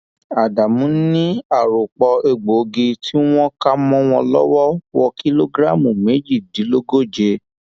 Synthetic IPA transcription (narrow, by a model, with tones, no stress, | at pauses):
a˨da˨mũ˨˦nĩ˦a˦˨ɾo˨k͡pɔ˧e˧ɡ͡bo˨˧ɡi˧ti˦w̃ɔ̃˦ka˦mɔ̃˦w̃ɔ̃˧lɔ̰˦wɔ˦wɔ˧kʰi˦lo˦ɡɾa˦˨mũ˨me˨˦d͡ʒi˦˨di˨˦lo˦ɡo˦˨d͡ʒe˧